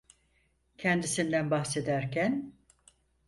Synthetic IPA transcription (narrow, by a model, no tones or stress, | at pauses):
cʰɛnd̪isind̪ænbahse̞d̪æɾcʰæn